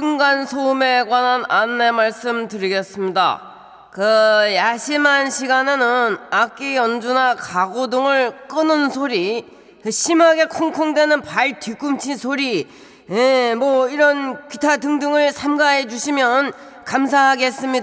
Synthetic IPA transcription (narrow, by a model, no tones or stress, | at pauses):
sɯŋɡansʰoɯme̞ɡwanananːe̞maɭs͈ɯmtɯɾiɡes͈ɯmɲida̰ | kɯjaɕʰimanɕʰiɡanenɯnak͈iʌnd͡ʑunakaɡodoŋɯɭk͈ɯnɯnsʰoɾi | kɯɕʰimaɡe̞kʰoŋkʰoŋdwe̞nɯnpaɭtik͈umt͡ɕʰinsʰoɾi | emwʌiɾʌnkitʰadɯŋdɯŋɯɭsʰamɡaɦe̞d͡ʑuɕʰimjʌn | kamsʰaɦaɡe̞s͈ɯmɲida